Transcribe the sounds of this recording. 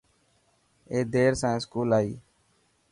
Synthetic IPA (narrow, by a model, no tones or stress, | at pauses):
eːd̪eːɾsɛ̃ːskuːlaːiː